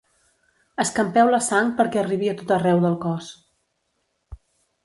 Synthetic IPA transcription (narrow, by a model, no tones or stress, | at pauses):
əskəmpɛwləsaŋ̚pəɾkɛəriβiət̪ot̪ərɛwðəlˠkɔs